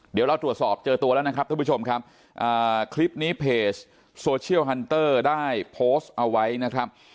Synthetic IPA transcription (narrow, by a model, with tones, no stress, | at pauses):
di˨˩˦ɾa˧wt̪ɾu˨˩ət̪̚sɔː˨˩p̚t͡ɕɤː˧t̪u˧lːɛ˦˥na˦˥kʰɾa˦˥t̪ʰːt͡ɕo˧mkʰa˦˥p̚ | ʔaː˨˩kʰli˦˥p̚niː˦˥pʰeː˨˩t͡ɕ | soː˧t͡ɕʰi˥˩əwɦa˧nt̪ɤː˥˩daː˥˩jpʰoː˦˥st̪ʔa˧wa˦˥jna˦˥kʰɾa˦˥p̚